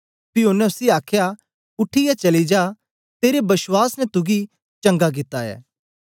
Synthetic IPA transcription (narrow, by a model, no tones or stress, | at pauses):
pɪonːɛ̃ʊsiaːkʰja | ʊʈʰːijat͡ʃɐlid͡ʒaː | t̪eːɾebɐswaːsnɛt̪ʊɡi | t͡ʃɐ̃ŋɡak̬ɪt̪ːaɛ̰ː